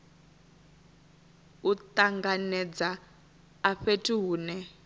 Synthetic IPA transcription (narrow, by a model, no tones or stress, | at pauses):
ut̪aŋɡanɛd͡zaː | ɸetʰʼiɦuːnɛ